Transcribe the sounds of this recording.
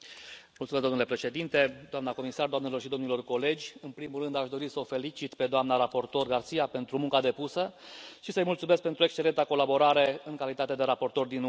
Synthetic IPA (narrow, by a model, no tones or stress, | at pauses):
mult̪sumezd̪omnulepɾe̞ʃe̞d̪int̪e̞d̪oamnako̞misard̪oamnelo̞rʃid̪o̞mnilo̞rko̞le̞d͡ʒʲɨnpɾimulrɨnd̪aʃd̪o̞ɾisəofe̞lit͡ʃit̪pe̞d̪oamnaɾapo̞rt̪o̞rɡart̪sijape̞nt̪ɾumũŋkad̪e̞pusəʃisəjmultsumeskpe̞nt̪ɾue̞kst͡ʃe̞le̞nt̪ako̞labo̞ɾaɾe̞ɨŋkalit̪at̪e̞d̪e̞ɾapo̞rt̪o̞rd̪in